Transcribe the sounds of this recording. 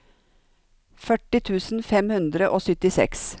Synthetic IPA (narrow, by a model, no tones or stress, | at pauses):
fœʈɪt̪ʰʉːsn̩fɛmhʉnd̪ɾəʔoːsʏt̪ɪsɛ̰ks